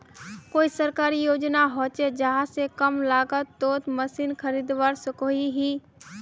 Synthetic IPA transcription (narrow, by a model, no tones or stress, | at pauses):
koːisəɾkaːɾijoːd͡ʒnaɦoːt͡ʃed͡ʒəɦãsekəmlaːɡət̪ːoːt̪məsiːnkʰəɾiːd̪ʋaːɾsəkoːiɦiː